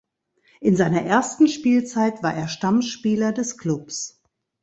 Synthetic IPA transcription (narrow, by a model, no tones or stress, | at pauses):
ʔɪnzaɪnɐʔeːɐstn̩ʃpiːlt͡saɪtv̥aːɐʔeːɐʃtamʃpiːlɐdɛskl̥ʊps